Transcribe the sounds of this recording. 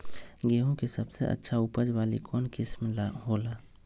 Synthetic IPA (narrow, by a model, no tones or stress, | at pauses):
ɡeːɦõkesəbsḛʔə̰tːʃʰaʊpəd͡ʒʋaːlḭkɔːnkɪsmlaɦoːlaː